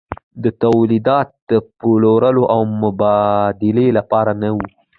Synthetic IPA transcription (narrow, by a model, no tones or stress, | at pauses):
d̪ət̪awlid̪ɑt̪̚d̪̥əpoloɾəloʔawmʊbɑd̪ɪlelapɑɾanawu